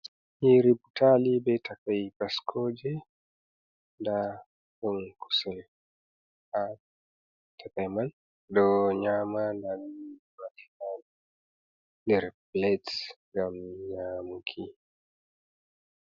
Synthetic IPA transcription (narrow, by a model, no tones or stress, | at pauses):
hiɾiputʰalibɛtʰakajpaskʰɔd͡ʒɛ | nda | kɔŋkʰu̥sɛl | a | tʰakajman | dɔɲamandan | matikan | ndɛɾplɛtsŋɡamɲamukʰi